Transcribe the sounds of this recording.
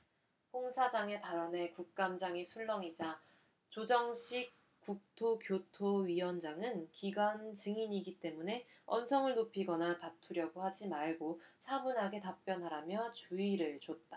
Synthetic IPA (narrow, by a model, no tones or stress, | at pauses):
poŋsʰad͡ʑaŋe̞paɾʌne̞kuk̚k͈amd͡ʑaŋisʰuɭːʌŋid͡ʑa | t͡ɕod͡ʑʌŋɕʰik̚ | k͈uk̚tʰokjotʰoɥiwʌnd͡ʑaŋɯnkiɡwant͡ɕɯŋiɲiɡit͈e̞mune̞ʌ̰nsʰʌŋɯɭnopʰiɡʌnatatʰuɾjʌɡohad͡ʑimaɭɡot͡ɕʰamunɦaɡe̞tap̚p͈jʌnɦaɾamjʌt͡ɕuiɾɯɭt͡ɕot̚t͈a